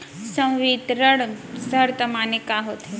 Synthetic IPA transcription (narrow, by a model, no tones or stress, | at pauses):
sə̃w̃ʋit̪ɾəɽsɐɾt̪əmaːnekaɦot̪ʰe